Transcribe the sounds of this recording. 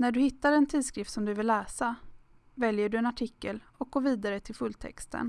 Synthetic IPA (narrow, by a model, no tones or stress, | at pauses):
næɖɵhɪt̪ːaɾɛnt̪ʰiːd̪skɾɪft̪sɔmd̪ɵvɪlːɛːsa | vɛljəɖɵɛnaʈʰɪkːəlɔk̚ɡoːviːd̪aɾət̪ʰɪlfɵlːt̪ʰɛ̰kst̪ʰə̰n